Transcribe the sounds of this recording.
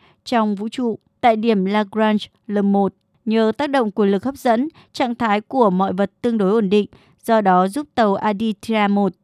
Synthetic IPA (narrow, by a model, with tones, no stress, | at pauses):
t͡ɕɔ˧wŋ͡mvṵ˧˥t͡ɕṵ˧˨ | t̪a̰ː˧˨jɗi˧˩əmlaː˧kɹaː˧nz | ləː˨˩mmo˨˩t̚ | ɲəː˨˩t̪aː˦˥k̚ɗə̰˧˨ŋ͡mku˧˩nlɨ˨˩k̚hə˦˥p̚zə̰˧˥n | t͡ɕa̰ː˧˨ŋt̪ʰaː˨˦jku˧˩əmɔ̰˧˨jvə˨˩t̚t̪ɨ˧əŋɗo˨˦jʔo˧˩nɗḭ˧˨ŋ̟ | zɔ˧ɗɔ˨˦zu˦˥p̚t̪ə˨˩wʔaː˧ɗi˧t̪ʰaː˧mo˨˩t̚